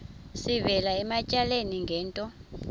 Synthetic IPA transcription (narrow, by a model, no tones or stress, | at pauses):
sivɛlaɛmacʼaleniŋɡʱɛːntʼɔ